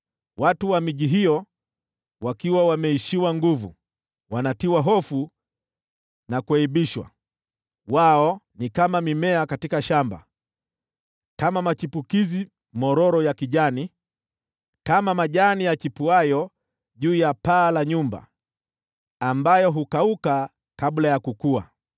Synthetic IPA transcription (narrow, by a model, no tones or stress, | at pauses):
watuwamiʄiɦijɔ | wakiwawamɛiʃiwaŋɡuvṵ | wanatiwaɦɔfu | nakuɛiɓiʃwa̰ | waɔnikamamimɛakatikaʃamba̰ | kamamat͡ʃipukizi | mɔɾɔɾɔjakiʄani | kamamaʄanijat͡ʃipuajɔ | ʄuːjapaːlaɲumba̰ | ambajɔɦukauka | kaɓlajakukua